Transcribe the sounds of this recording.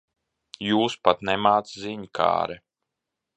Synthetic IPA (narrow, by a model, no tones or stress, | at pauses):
juːspat̪nɛmaːt̪sziɲkʰa̰ːɾɛ